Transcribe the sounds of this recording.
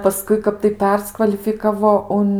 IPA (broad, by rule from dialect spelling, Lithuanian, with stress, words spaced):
pɐˈskʊɪ ˈkɐp tɐɪ ˈpʲɛrskʋɐlʲɪfʲɪkɐʋoː ˈʊn